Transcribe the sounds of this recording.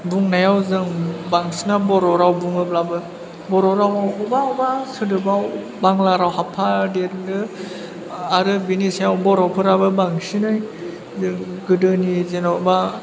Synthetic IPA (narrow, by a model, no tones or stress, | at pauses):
buŋnajawzɯŋbaŋsinabɔɾɔɾawbuŋɯb̚labɯ | bɔɾɔɾawawɔbaɔbasɯdɯbaw | baŋlaɾawhapʰadeɾdɯ | aɾɯbinisajawbɔɾawpʰɯɾabɯbaŋsinaj | zɯŋɡɯdɯnizenawba